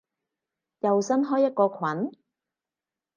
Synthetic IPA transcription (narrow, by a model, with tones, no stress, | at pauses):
jɐ˨wsɐ˥nɦɔː˥jːɐ˥t̚kɔː˧kʷʰwɐ˨˥n